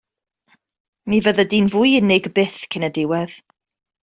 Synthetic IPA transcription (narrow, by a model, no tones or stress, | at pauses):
nivəðədinvujɪnɪɡbɪθkʰɪnədɪwɛð̥